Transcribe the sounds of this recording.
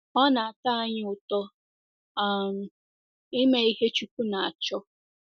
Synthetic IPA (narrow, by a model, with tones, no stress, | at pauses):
ɔ˦na˨a˨ta˦a˦ɲɪ˦ʊ˨tɔ˦ | a˦˨m̩˨ | i˦me˦i˦ɦe˦t͡ʃu˦ku˦na˨a˨t͡ʃɔ˦